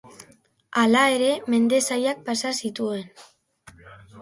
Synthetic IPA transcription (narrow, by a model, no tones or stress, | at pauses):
alae̞ɾe̞me̞nd̪e̞sajak̚pasasit̪ue̞n